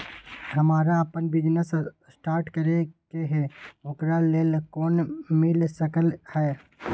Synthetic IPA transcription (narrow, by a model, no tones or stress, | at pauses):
ɦɐmaːɾaəpənbɪd͡ʒnəs | sʈaːɾʈkəɾekeɦɛːʊkɾaleːlkoːnmɪlsəkəlhɛː